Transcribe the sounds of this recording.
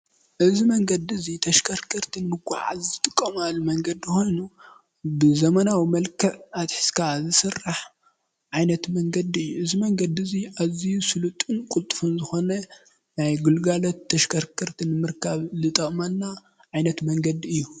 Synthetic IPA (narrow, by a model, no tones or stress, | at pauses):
ʔɨzimɐŋɡɐd̪iɨzit̪ʰɐʃkʰɐɾkʰɐɾt̪ʰinɨmɨkʰʷʼa̰ʕa̰zɨt̪ʼɨkʼːɐmalːumɐŋɡɐd̪iixo̞jnu | bɨzɐmɐnawimɐlkʰɐʔat̪ħɨ̥skʰazɨsɨrːaħ | ʕajnɐt̪mɐŋɡɐd̪iɨjːuʔɨzimɐŋɡɐd̪iɨziʔazijusɨlut̪ʼɨnkʼult̪ʼɨfɨnzɨxo̞nɐ | najɡulɡalot̪ʰːɐʃkʰɐɾkʰɐɾt̪ʰinɨmɨɾkʰaβlɨt̪ʼɐχʼmɐnːa | ʕajnɐt̪mɐŋɡɐd̪iɨjːu